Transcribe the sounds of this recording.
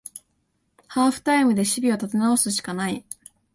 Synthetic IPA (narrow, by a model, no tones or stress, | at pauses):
haːɸɯ̟̥t̪aimɯ̟d̪e̞ɕibʲio̞t̪at̪e̞naosɨɕi̥kanai